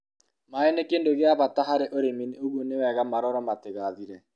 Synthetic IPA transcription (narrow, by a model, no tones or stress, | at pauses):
maɛnekeːndoɣeaβataɦaɾeʔoɾemineoɣuonewɛɣamaɾɔɾɔmateɣaðiɾɛ